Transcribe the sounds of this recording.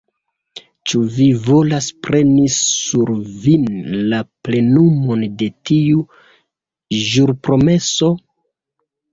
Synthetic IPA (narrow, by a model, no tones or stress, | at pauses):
t͡ʃuvivo̞laspɾe̞nisuɾvinlaple̞numo̞nde̞tiu | ʒuɾpɾo̞me̞so̞